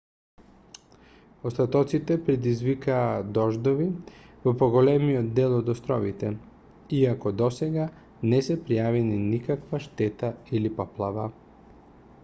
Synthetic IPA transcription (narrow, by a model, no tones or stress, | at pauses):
ost̪at̪ɔt̪sit̪ɛpɾɛd̪izvikaːd̪ɔʒd̪ɔvivɔpɔɡolɛmijɔd̪dːɛlˠɔd̪ɔst̪ɾɔvit̪ɛ | iakɔd̪ɔsɛɡa | nɛsɛpɾijavɛninikakvaʃt̪ɛt̪ailipaplˠava